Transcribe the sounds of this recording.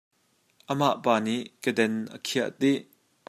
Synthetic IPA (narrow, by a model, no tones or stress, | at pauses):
ʔəmaʔpaːniʔkədɛnʔə̰kʰiəʔt̪iʔ